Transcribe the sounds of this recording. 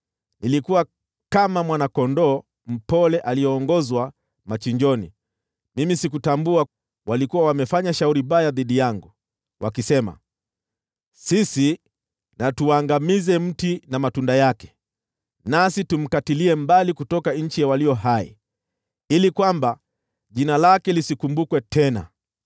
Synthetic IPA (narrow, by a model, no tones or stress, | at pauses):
nilikuwa | kamamwanakɔndɔː | m̩pɔlɛʔalijɔːŋɡɔzwa | mat͡ʃiɲd͡ʒɔnḭ | mimisikutambua | walikuwawamɛfaɲaʃauɾiɓajaðiɗijaŋɡu | wʔakisɛma̰ | sisi | natuwaŋɡamizɛm̩tinamatundajakɛ̥ | nasitum̩katiliɛmbalikutɔkaɲ̩t͡ʃijawalijɔɦai | ilikwamba | ʄinalakɛlisikumbukwɛtɛna̰